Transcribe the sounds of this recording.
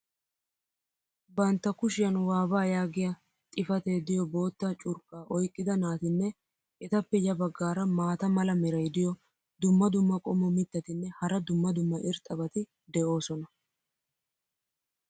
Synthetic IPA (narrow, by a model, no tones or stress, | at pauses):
bɐnt̪ːɐkʊʃɪjɐnwaːbaːjaːɡɪjɐ | t̪ʼɪfɐt̪e̞ːd̪ɪjɔbo̞ːt̪ːɐt͡ʃʼʊɾkʼːaːʔɔjkʼːɪd̪ɐnaːt̪ɪnːɛ | ʔɛt̪ɐpːɛjɐbɐɡːaːɾɐmaːt̪ɐmɐlɐmɛɾɐjd̪ɪjɔ | d̪ʊmːɐd̪ʊmːɐkʼɔmɔmɪt̪ːɐt̪ɪnːɛhɐɾɐd̪ʊmːɐd̪ʊmːɐʔɪɾt̪ʼɐbɐt̪ɪ | d̪ɛʔo̞ːsɔnɐ